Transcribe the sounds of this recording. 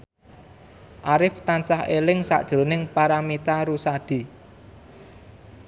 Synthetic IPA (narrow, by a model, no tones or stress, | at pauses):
ʔaɾɪft̪ansahelɪŋsa̰ʔd̥ʒ̥ɾo̤nɪŋpaɾamit̪aɾusad̪̥i̤